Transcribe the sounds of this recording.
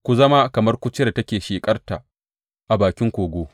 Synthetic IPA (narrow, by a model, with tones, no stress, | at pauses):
kʷu˨zɐ˦ma˦kɐ˨mɐ˦rkʷʊ˦t͡ʃɪ˦˨tɐ˦kʲeː˨ʃiː˨kʼɐ˦rta˨ | ʔa˨baː˨kʲɪ˦ŋkʷoː˨ɡʷoː˦